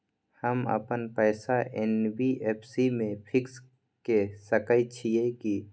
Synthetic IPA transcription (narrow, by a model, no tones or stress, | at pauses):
həmə̰pənpɛːsaʔeːnbiʔeːpʰsimẽpʰɪks | kesəkəjt͡ʃʰieki